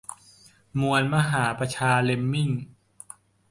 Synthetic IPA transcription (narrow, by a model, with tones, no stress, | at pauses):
mu˧ənma˧ɦaː˩˦pɾa˧t͡ɕʰaː˧le˧mːi˥˩ŋ